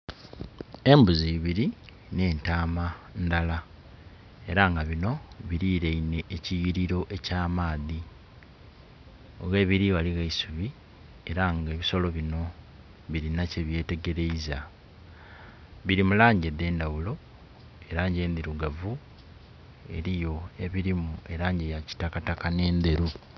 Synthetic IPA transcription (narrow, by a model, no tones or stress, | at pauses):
e̞mbuziβiɾi | ne̞ːntaːmandala | e̞ɾaŋɡaβino̞βiɾiːɾeine̞ːcijiɾiɾo̞ʔe̞caːmaːði | oɣe̞ːβiɾiβaliɣaisuβi | e̞ɾaŋɡeːβiso̞lo̞βino̞ | βiɾinaceβje̞ːte̞ɡe̞ɾe̞iza | βiɾimulaːɲɟed̪e̞ːndawulo̞ | eɾaːɲɟe̞ːnd̪iɾuɡavu | e̞̰ɾijo̞e̞βiɾimue̞ɾaːɲɟejaci̥takatakane̞ːnd̪e̞ɾu